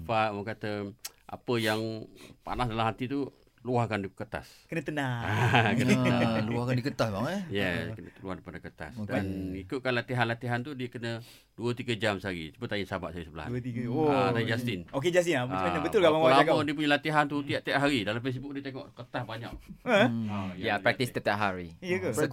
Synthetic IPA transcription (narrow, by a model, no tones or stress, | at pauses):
paməkat̪ə | ʔa̰pəjaŋpa̰nasdalamɦat̪it̪u | luahkandikət̪a̰skənət̪ənaakənluahkandikət̪asbaŋɛjɛkənəluahdipadəkət̪a̰sdanikʊʔ̚kanlat̪iɦanlat̪iɦant̪udiəkənə | duət̪iɡəd͡ʒamsaɾḭsə̥bət̪ainsaba̰ʔsaɾisəbəla̰ht̪isaid͡ʒast̪ɪnoked͡ʒast̪inababət̪ʊlkaʔbawalaamadiəp̬uɲəlat̪iɦant̪ut̪idaʔt̪iaʔɦaɾidalamfes̬bʊk̚diət̪eŋɔ̰ʔkət̪asbaɲa̰k̚əajjapɾakt̪ist̪ət̪aʔɦaɾi